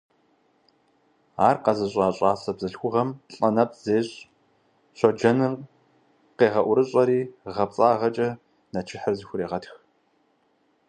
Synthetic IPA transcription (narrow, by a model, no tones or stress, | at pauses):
aːrqɐzɐɕʼaːɕʼaːsɐbzɨɬxʷʊʁɐmɬʼɐnɐp̚ʰz̥eːɕʼ | ɕʷɔd͡ʒɐnɨr | qeːʁɐʔʷʊɾɨɕʼɐɾiːʁɐp̚t͡sʼaːʁɐt͡ʃʼɐ | nɐt͡ʃʰɪħərzɪxʷʊɾeːʁɐtx